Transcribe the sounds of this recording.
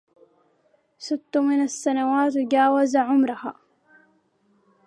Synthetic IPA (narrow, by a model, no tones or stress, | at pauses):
sɪt̪ːʊmɪnasːanawaːt̪wd͡ʒaːwazaʕʊmɾˤʊhaː